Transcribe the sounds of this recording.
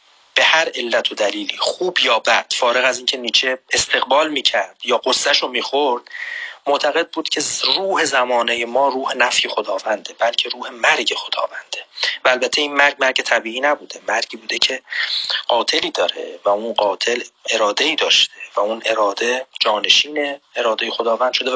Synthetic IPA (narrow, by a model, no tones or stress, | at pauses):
b̥e̞hæɾe̞lːæt̪ʰod̪æliːliːχuːbjɒːbæd̪̥fɒːɾe̞ɣæziːncʰe̞niːt͡ʃʰeest̪ʰe̞ɣbɒːlmiːcʰæɾd̪̥jɒːɢosːæʃomiːxoɾd̪̥moʔt̪ʰæɣe̞d̪̚buːd̪̥cʲʰe̞ruːhe̞zæmɒːnejemɒːɾuːhe̞næfjexo̞d̪ɒːvænd̪ebælcʰe̞ɾuːhe̞mæɾɟe̞xo̞d̪ɒ̰ːvænd̪̥evæːlbæt̪ʰe̞iːnmæɾɟmæɾɟe̞t̪ʰæbiːiːnæbuːd̪e̞mæɾɟiːbuːd̪ecʰe̞ɢ̥ɒːt̪ʰe̞liːd̪ɒːɾḛvæunɢɒːt̪ʰe̞le̞ɾɒːd̪eiːd̪ɒːʃt̪e̞væunʔe̞ɾɒːd̪ed͡ʒɒːne̞ʃiːneeɾɒːd̪ejexod̪ɒːvænd̪̥ʃo̞d̪e